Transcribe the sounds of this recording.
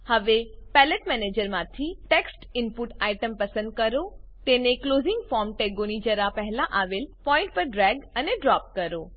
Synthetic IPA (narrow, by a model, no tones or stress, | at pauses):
həʋepɛləʈmɛneːd͡ʒəɾmãt̪ʰiʈeksʈɪmpuʈaiʈəmpɐsə̃nd̪̚kəɾot̪enekloːzɪ̃ŋɡfɔɾmʈeɡonid͡ʒəɾapəɦlaʔaʋelpɔ̃ːɪ̃ɳʈ̚pəɾɖɾɛɡəneɖɾaːp̚kəɾo